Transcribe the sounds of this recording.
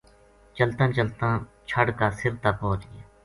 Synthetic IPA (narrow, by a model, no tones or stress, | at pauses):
t͡ʃəlt̪ãːt͡ʃəlt̪ãː | t͡ʃʰəɽkaːsɪɾt̪aːpoːt͡ʃɡɪjaː